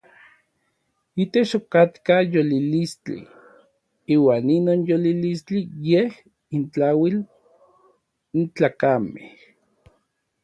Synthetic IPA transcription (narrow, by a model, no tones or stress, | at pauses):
it̪et͡ʃokat̪kajolilist͡ɬḭ | iːwaːninoːnjolilist͡ɬijeh | int͡ɬawil | nt͡ɬaːkamḛh